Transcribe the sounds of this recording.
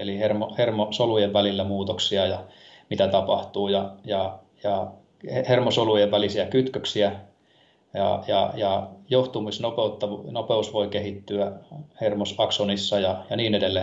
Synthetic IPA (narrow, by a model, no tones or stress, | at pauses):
elihermohermosolujeʋʋælilːæmuːt̪oksiɑjɑ | mit̪æt̪ɑpɑht̪uːjɑjɑ | jɑ | hermosolujeʋʋælisiækyt̪køksiæ | jɑ̰jɑ̰jɑjoht̪umisnopeut̪ːɑʋnopeusʋoikehit̪ːyæhermosɑksonisːɑjɑjɑniːnedelːeː